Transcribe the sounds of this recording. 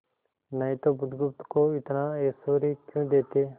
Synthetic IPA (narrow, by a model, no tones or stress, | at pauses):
nəĩːt̪oːbʊd̪ɡʊp̚t̪koːɪt̪naːeːsoːɾiːkjũːd̪eːt̪eː